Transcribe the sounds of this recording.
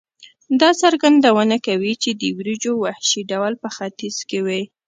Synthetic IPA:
d̪ɑsaɾɡand̪awənakawit͡ʃed̪əwɾid͡ʒowahʃiɖawlpəxat̪iz̥kewe

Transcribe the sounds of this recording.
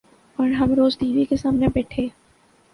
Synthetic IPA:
pɐːɾɦɐmɾoːzd̪iːʋikesaːmnebɛːʈʰeː

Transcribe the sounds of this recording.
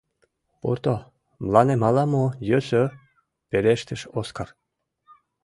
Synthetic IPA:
pṵrt̪o | mlɑnemɑlɑmojøsø | peɾeʃt̪ə̆ʃoskar

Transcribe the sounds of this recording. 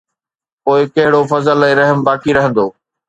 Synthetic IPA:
poːɪkɐɦɪɽofɐzəlɛ̃ːɾɐɦmbaːkʰiɾɐɦə̃nd̪oː

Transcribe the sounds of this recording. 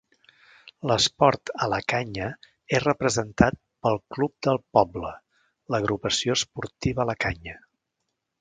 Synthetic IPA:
ləspɔɾt̪ələkaɲə | erəpɾəzənt̪at̪̚pəlˠklup̚d̪əlˠpɔblə | ləɣɾupəsioəspuɾt̪iβələkaɲə

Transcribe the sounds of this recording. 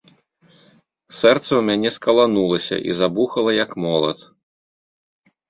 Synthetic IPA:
sɛrt̪sɐwmʲanʲɛskɐlˠanulˠɐsʲɐ̰ʔḭzabuxɐlˠɐjɐkmɔlˠɐ̰t̪

